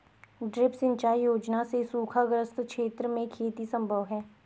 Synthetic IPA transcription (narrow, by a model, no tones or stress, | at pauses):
ɖɾɪpsɪ̃ɲt͡ʃaːijoːd͡ʒnasesuːkʰaɡɾəst̪kʃeːt̪ɾəmẽkʰeːt̪isə̃mbʱəʋɦɛː